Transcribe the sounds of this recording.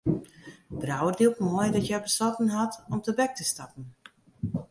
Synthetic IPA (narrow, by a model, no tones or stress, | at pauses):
brawərdiukmɔjdɔtjɛjbəsɔtən̩ɦatɔmtəbɛk̚təstapən̩